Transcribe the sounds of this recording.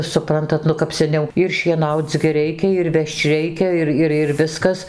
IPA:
sʊˈprɐntɐt ˈnʊ kɐp sʲɛˈnʲɛʊ ɪr ʃʲiɛˈnɐʊt͡s ɡʲɪ ˈrʲɛɪkʲɛ ɪr ˈʋʲɛʃt͡ʃ ˈrʲɛɪkʲɛ ˈɪr ˈɪr ɪr ˈʋʲɪskɐs

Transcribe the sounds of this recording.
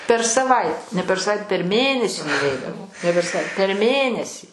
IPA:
pʲɛr sɐˈʋɐɪt nʲɛ pʲɛr sɐˈʋɐɪt pʲɛr ˈmʲeːnʲɛsʲiː nʊˈʋʲɛɪdɐʋoː nʲɛ pʲɛr sɐˈʋɐɪ pʲɛr ˈmʲeːnʲɛsʲiː

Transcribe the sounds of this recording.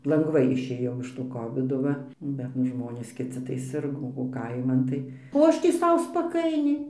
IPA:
lˠɐŋˈɡʋɐɪ ɪʃʲˈeːjɛʊ ɪʃ toː ˈkoːʋʲɪdoː ˈʋɐ ˈbʲɛt nʊ ˈʒmoːnʲeːs kʲɪˈt͡sʲɪ tɐɪ ˈsʲɪrɡoː oː ˈkɐɪmɐn tɐɪ oː ˈɐʃ tʲiː ˈsɐʊ spɐˈkɐɪnʲɛɪ

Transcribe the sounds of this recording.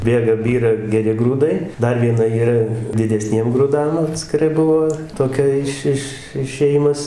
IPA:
ˈbʲeːɡɐ ˈbʲiːrɐ ɡʲɛˈrʲɪ ɡruːˈdɐɪ ˈdɐr ʋʲiɛˈnɐ iːˈrɐ dʲɪdʲɛˈsʲnʲiɛm ɡrʊˈdɐm ɐtʲsʲkʲɪˈrɐɪ ˈbʊʋoː toːˈkʲɛ ɪʃ ˈɪʃ ɪʃʲeːˈjɪmɐs

